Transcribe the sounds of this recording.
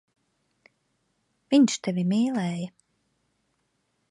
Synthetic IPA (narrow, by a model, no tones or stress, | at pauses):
viɲʃt̪evʲimiːlˠɛːjə